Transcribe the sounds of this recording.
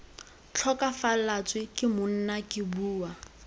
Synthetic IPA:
t͡ɬʰɔkafalat͡sʼwɪkʼɪmʊn̩nakɪbuːwa

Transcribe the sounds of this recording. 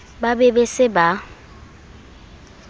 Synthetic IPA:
babɛbesɪba

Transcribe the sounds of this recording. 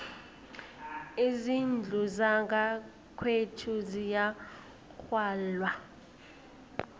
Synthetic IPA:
izind͡ɮʱuzaɡa | kʰwetʰuzija | kʰwaːlwa

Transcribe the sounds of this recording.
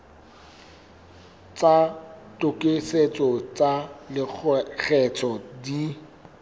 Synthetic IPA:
t͡sʼatʼʊkʼeset͡sʼɔt͡sʼalɪɣʰɛt͡sʰʼɔdi

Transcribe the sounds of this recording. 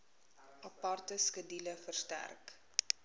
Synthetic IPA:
ʔɐpɑrtəskədiləfərstæ̰rk

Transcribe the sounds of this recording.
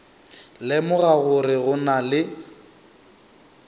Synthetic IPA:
lɪmʊɣaɣʊrɪɣʊnalɪ

